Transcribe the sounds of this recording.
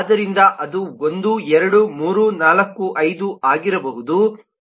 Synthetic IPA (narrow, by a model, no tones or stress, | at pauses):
d̪ɐɾind̪ɐʔɐd̪uond̪uɛɾɐɽumuːɾunaːlɐkːuʔɐjd̪uʔaːɡiɾɐbɐɦud̪u